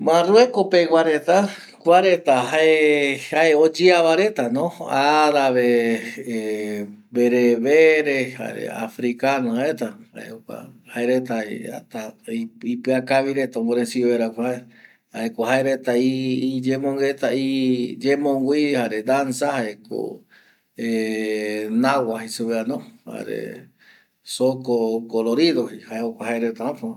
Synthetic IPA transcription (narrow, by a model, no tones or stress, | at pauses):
mãruekopewaɾe̞t̪a | kʷaɾe̞t̪aɦaehaeod͡ʒiaβaɾe̞t̪anõaɾaβee | beɾeβeɾeha̰ɾḛa̰fɾikanoaet̪aha̰ḛokʷa̰haeɾet̪aa̰t̪aipɨakaβiɾet̪aomboɾensiβeɾakʷaae | haekoɦaeɾet̪aid͡ʒemõŋɡet̪aid͡ʒẽmõŋɡʷihaɾed̪ansahaeko̰ | e | nawaɦisuβeanõha̰ɾḛ | sokokoloɾiðohihaeokʷaɦaeɾet̪ahãpo